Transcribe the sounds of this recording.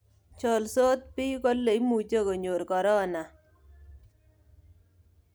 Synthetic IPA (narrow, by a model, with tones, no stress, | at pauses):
t͡ʃɔ˨lso˦t̪̚pi˦ko˦lːe˨i˦mu˨t͡ʃe˦˨ko˨ɲo˨ɾkɔ˨ɾɔ˦na˨